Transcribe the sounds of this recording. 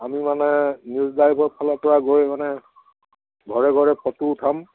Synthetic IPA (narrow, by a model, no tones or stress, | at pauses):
amimanɛnjuzdajpɔɹpʰalɔpɔɹaɡojmanɛ | ɡʱɔɹɛɡʱɔɹɛpʰɔtuʊtʰam